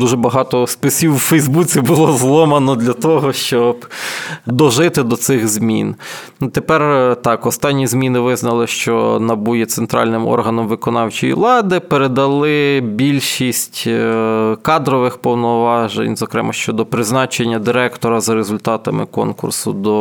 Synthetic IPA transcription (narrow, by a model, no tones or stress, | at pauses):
d̪uʒɛbɐɦɑt̪ɔspɪsʲiwfɛjzbut͡sʲibʊlˠɔzlˠɔmɐnɔd̪lʲɐt̪ɔɦɔʃt͡ʃɔbd̪ɔʒɪt̪ɪd̪ɔt̪sɪɣzʲmʲḭn | t̪epɛrt̪ɑkɔst̪ɑnʲːizʲmʲinɪʋɪznɐlˠɪʃt͡ʃɔ̰nɐbujɛt̪sent̪ɾɑ̰lʲnɪmɔ̰rɦɐnɔmʋɪkɔnɑwt͡ʃijḭʋlˠɑd̪ɪpeɾed̪ɐlˠɪbʲilʲʃisʲtʲ | kɑd̪ɾɔʋɪxpɔwnɔʋɑʒḛnʲzɔkɾɛmɐʃt͡ʃɔd̪ɔpɾɪznɑt͡ʃenʲːɐd̪ɪɾɛkt̪ɔɾɐzɐɾezʊlʲt̪ɑt̪ɐmɪ̰kɔ̰nkʊ̰rsʊd̪ɔ